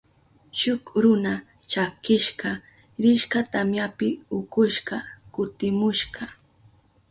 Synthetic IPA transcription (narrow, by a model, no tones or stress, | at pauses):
ʃʊkɾʊna | t͡ʃakɪʃɢɑ | ɾɪʃkat̪amjapɪʊkʊʃɢɑkʊt̪ɪmʊʃɢɑ